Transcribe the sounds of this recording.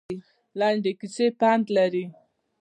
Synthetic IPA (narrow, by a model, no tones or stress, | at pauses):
laɳɖekisepant̪laɾi